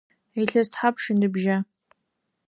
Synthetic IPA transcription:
ejɬɐztħapʰʂɨndɨbʒa

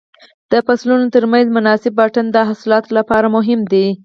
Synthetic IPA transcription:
d̪̥əfaslunot̪əɾmanzmʊnɑsɪbːaʈand̪əɦasɪlɑt̪olapɑɾamʊɦɪmd̪i

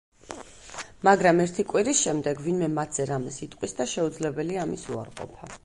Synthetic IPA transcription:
maɡɾamɛɾt̪ʰikʼwiɾisʃɛmd̪ɛɡvinmɛmat̪ʰz̥ɛɾamɛsit̪ʼqʼwisd̪aʃɛud̪zlɛbɛliamisua̰ɾqʼɔ̰pʰa

